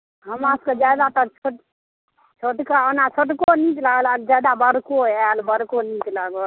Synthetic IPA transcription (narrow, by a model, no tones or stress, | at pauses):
ɦəmasked͡ʒad̪at̪ət͡ʃʰoʈ | t͡ʃʰoʈkaənat͡ʃʰoʈkonĩt͡ʃlaɡəlald͡ʒad̪abəɾkoalbəɾkonĩt͡ʃlaɡo